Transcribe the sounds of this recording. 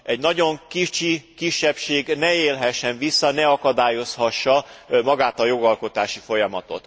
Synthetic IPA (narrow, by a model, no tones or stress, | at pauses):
ɛɟnɒɟoŋkit͡ʃikiʃːɛpʃeːɡnɛeːlɦɛʃːɛɱvisːɒnɛɒkɒd̪aːjo̞shɒʃːɒmɒɡaːt̪ɒjo̞ɡɒlko̞t̪aːʃifo̞jɒmɒt̪o̞̰t̪